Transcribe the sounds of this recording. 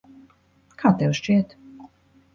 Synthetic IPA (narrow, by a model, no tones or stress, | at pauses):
kʰaːt̪ɛʃt͡ʃiɛt̪